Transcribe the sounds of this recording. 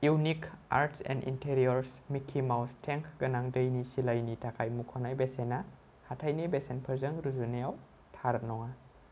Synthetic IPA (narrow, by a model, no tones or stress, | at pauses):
junika̰ɾtsɛ̰ndḭntʰeɾiɐɾsmikʰːimawstʰeŋkʰɡɐnaŋdɐjnisilajnitʰakʰajmukʰɔnajbesena | hatʰajnibesenpʰɐɾzɐŋɾuzunejaw | tʰaɾnɔŋa